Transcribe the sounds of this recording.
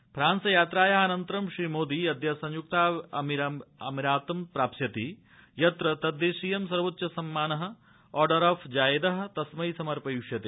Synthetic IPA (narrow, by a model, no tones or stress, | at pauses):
pɾaːnsɐjaːt̪ɾaːjɐɦɐnɐnt̪ɾɐmʃɾiːmoːd̪iːɐd̪ʱjɐsɐ̃ɲjuk̚t̪aːɐmiɾɐmiɾaːt̪ɐmpɾaːpsjɐt̪i | jɐt̪ɾɐt̪ɐd̪ːeʃiːjɐmsɐɾʋɐt̪ːʃɐsɐmːaːnɐɦɐ̆ | ɔːɾɖɐɾɔːfʰd͡ʒaːjɐd̪ɐɦɐ̆t̪ɐsmɐisɐmɐɾpɐjuʃjɐt̪e